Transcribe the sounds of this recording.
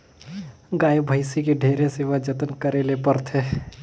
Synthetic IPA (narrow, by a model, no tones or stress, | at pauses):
ɡaːibʱəɪsikiɖʱeːɾeseːʋad͡ʒət̪ənkəɾelepəɾt̪ʰeː